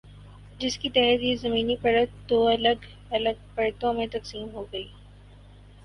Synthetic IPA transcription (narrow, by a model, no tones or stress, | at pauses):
d͡ʒɪskit̪əɦət̪ɦizɐmiːnipɐɽət̪d̪oːɐləɡ | ɐləɡ̚pɐɽt̪õmẽt̪ɐqsiːmɦoɡɐiː